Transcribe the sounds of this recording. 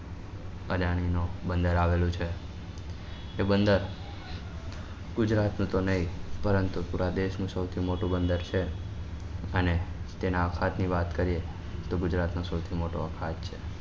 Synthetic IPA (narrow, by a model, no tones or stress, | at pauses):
əd͡ʒaɽ̃inobənd̪əɾaʋelũt͡ʃʰe | bənd̪əɾ | ɡ̥ʊd͡ʒɾat̪nũt̪onəɦĩpəɾənt̪upuɾad̪eʃnũsəwt̪ʰimoʈũbənd̪əɾt͡ʃʰe | ənet̪enãəkʰat̪niʋat̪kəɾie | t̪oɡʊd͡ʒɾat̪nosəwt̪ʰimoʈoəkʰat̪t͡ʃʰe